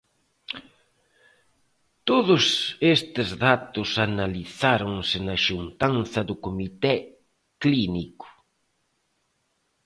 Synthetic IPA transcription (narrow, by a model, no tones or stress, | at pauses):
t̪oðʊsest̪ɪzðat̪ʊsanaliθaɾoŋsɪnɐʃunt̪anθɐðʊkomit̪ɛ | klinikʊ̥